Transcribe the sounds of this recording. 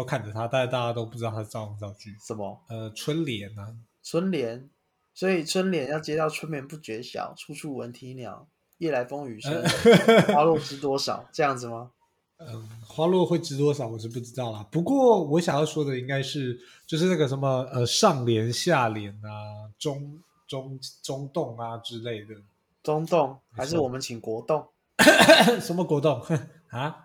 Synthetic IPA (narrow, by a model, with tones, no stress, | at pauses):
kʰa˥˩nʈ͡ʂə˨˩t̪ʰa˥t̪a˥˧t͡ɕa˥˩t̪a˥˧˩t͡ɕja˥t̪o˥ʊpu˥˩ʈ͡ʂɻ̩˥t̪t̪ʰa˥ɑ˥˧ʊɑ˥˧ŋt͡sɑ˥˧ʊt͡ɕʰy˥˩ʂə˨˩˦mə˧ə˧ʈ͡ʂʰwə˦nljɛ˨˦na˧ | ʈ͡ʂʰwə˥nljɛ˧˦n | swɔ˧˥i˨˩ʈ͡ʂʰwə˥nljɛ˧˥˦njɑ˥˩ʊt͡ɕjɛ˥t̪ɑ˥˩ʊʈ͡ʂʰwə˥nmjɛ˧˥npu˥˩t͡ɕɥɛ˧˥ɕjɑ̰˨˩ʊʈ͡ʂʰu˥ʈ͡ʂʰu˥˩wə˧˦nt̪ʰi˧˥njɑ̰˧˥˦ʊ | jɛ˥˩la˧˥ɪfo˥ŋy˨˩˥wa˥lwɔ˥˩ʈ͡ʂɻ̩˧˥t̪̬wɔ˥ʂɑ̰˨˩˦ʊʈ͡ʂɤ˥˧jɑ˥˩ŋd͡zɹ̩˨˩mɐ˩ | ə˨˩xwa˥lwɔ˥˧xwe˥˩ɪʈ͡ʂɻ̩˥t̪̬wɔ˥ʂɑ˨˩ʊwɔ˨˩ʂɻ̩˥˧p̬u˥˩ʈ͡ʂɻ̩˥t̪ɑ˥˩ʊlə˨˩pu˧˥kwɔ˥˩wɔ˧˦˥ɕjɑ˨˩ŋjɑ˥˩ʊʂwɔ˥d̪ə˨i˥ŋka˥ɪʂɻ̩˥˩t͡ɕjo˥˧ʊʂ̬ɻ̩˥˧na˥˩ɡə˩ʂə˧˦nmə˧ə˧˨ʂɑ˥˨˩ŋljɛ˧˥nɕja˥˩ljɛ˨˧˥na˦ʈ͡ʂʊ˥ŋ | ʈ͡ʂʊ˥ŋʈ͡ʂʊ˥ŋt̪ʊ˥˩ŋa˨˩ʈ͡ʂɻ̩˦˥le˥˩ɪd̪ə˩ | t͡sʊ˥ŋt̪ʊ˥˩ŋha˧˥ɪʂ̬ɻ̩˥˩wɔ˨˩mə˨˦nt͡ɕʰi˨˩ŋkwɔ˧˥t̪ʊ˥˩ŋ | ʂə˧˥nmə˧kwɔ˧˥t̪ʊ˥˩ŋ | ha˧˦